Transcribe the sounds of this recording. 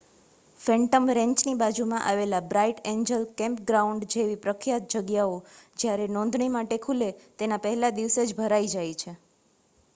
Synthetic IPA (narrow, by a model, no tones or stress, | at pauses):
fɛɳʈəmɾɛ̃ɲt͡ʃnibad͡ʒumãʔaʋelabɾaiʈeɲd͡ʒəlkɛ̃mpɡɾauɳɖd͡ʒeʋipɾəkʰjat̪̚d͡ʒəɡjaod͡ʒjaɾenɔ̃nd̪ʱɳimaʈekʰulet̪enapəɦɛlad̪iʋsed͡ʒbʱəɾaid͡ʒajt͡ʃʰe